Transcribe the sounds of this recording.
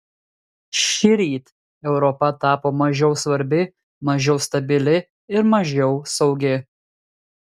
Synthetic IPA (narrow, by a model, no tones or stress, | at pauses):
ʃʲɪɾʲiːt̪ | ɛʊɾɔpɐt̪ɑːpoːmɐʒʲɛʊsʋɐɾʲbʲɪ | mɐʒʲɛʊst̪ɐbʲɪlʲɪ | ɪɾmɐʒʲɛʊsɒʊɡʲɪ